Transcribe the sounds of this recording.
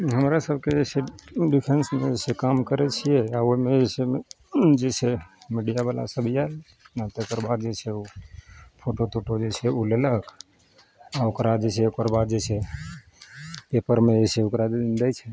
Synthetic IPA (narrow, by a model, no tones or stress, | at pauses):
ɦəmɾasəbʱked͡ʒeseɖipʰensmeesekamkəɾɛt͡ʃʰijɛaoimeeseme | d͡ʒesʰemiɖijabala̰səbʱial | at̪ekəɾbad̪̚d͡ʒet͡ʃʰɛu | pʰoʈot̪ʰoʈod͡ʒet͡ʃʰeulelək | aokɾad͡ʒesʰɛokəɾbad̪̚d͡ʒese | pepəɾmed͡ʒeseokɾad͡ʒd̪ɛt͡ʃʰɛ